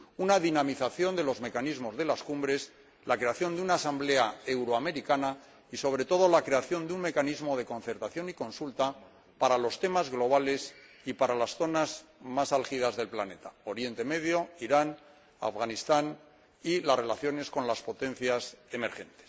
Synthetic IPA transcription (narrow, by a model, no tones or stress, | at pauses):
unaðinamiθaθjond̪e̞lo̞zme̞kanizmo̞zðe̞laskumbɾe̞s | lakɾe̞aθjo̞nd̪eunaːsamble̞ae̞wɾoame̞ɾikana | iso̞β̞ɾe̞t̪o̞ð̞o̞lakɾe̞aθjo̞nd̪uŋme̞kanizmo̞ð̞e̞ko̞nθeɾt̪aθjo̞niko̞nsult̪a | paɾalo̞st̪e̞mazɣlo̞β̞ale̞s | ipaɾalasθo̞nazmasalxið̞azðe̞lplane̞t̪ao̞ɾje̞nt̪e̞me̞ðjo̞iɾan | a̰fɣanist̪an | ilazre̞laθjo̞ne̞sko̞nlaspo̞t̪ẽ̞n̟θjase̞me̞ɾxe̞̰nt̪e̥s